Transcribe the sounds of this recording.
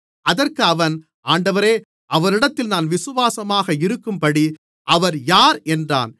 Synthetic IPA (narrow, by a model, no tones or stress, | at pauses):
ʔɐðɐrkɯɐʋɐn | aːɳɖɐʋɐɾeː | ʔɐʋɐɾɪɽɐt̪ːɪlnaːnʋɪsɯʋaːsɐmaːɣɐɪɾɯkːɯmpɐɽi | ʔɐʋɐɾjaːɾɛndra̰ːn